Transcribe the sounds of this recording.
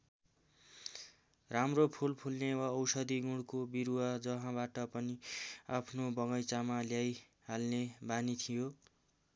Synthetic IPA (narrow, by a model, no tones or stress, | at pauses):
ramropʰulpʰulnewaʌwsʌd̪iɡuɽkobiɾuwad͡zʌɦãbaʈʌpʌniapʰnobʌŋʌjt͡samaljaj | ɦalnebanit̪ʰijo